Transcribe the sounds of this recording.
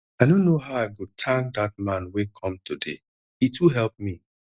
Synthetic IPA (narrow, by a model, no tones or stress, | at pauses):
aɪdõnːoɦaʊaɪɡotʰãŋk̚d̪at̚mãnwekʰɔ̃mtudḛ | ituɦɛlp̚mi